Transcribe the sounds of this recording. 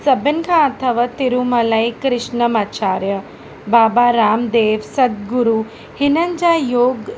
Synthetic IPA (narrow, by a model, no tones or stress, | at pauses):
sɐbinkʰãɐt̪ʰɐʋat̪iɾumɐlɐjkɾɪʃnɐmaːt͡ʃaːɾjɐ | baːbaːɾaːmd̪eːʋsɐd̪̚ɡuɾu | hinɐɲd͡ʒaːjoːɡ